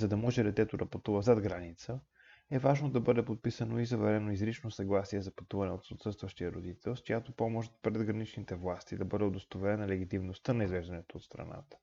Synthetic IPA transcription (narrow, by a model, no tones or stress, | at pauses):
zɐd̪ɐmɔʒɛɾɛt̪ɛt̪oɾɐpɐt̪uvəzad̪ɡɾanit̪sə | ɛvaʒnod̪ɐbɤd̪ɛpot̪̚pisənoizɐvɛɾɛnoizɾit͡ʃnosɐɡlˠasiɛzɐpɐt̪uvɐnɛot̪sot̪sɤtst̪vɐʃt̪ijəɾod̪it̪ɛlˠskojat̪opɔmoʃt̪pɾɛd̪ɡɾɐnit͡ʃnit̪ɛvlˠast̪id̪ɐbɤd̪ɛod̪ost̪ovɛɾɛnɐlɛɡ̟it̪imnost̪ənɐizvɛʒd̪ɐnɛt̪oːt̪st̪ɾɐ̰na̰t̪ə̥